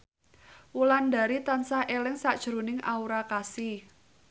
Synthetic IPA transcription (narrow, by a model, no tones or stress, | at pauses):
wulanda̤ɾit̪ansahʔelɪŋsaʔd̥ʒ̥ɾo̤nɪŋʔauɾakasɪ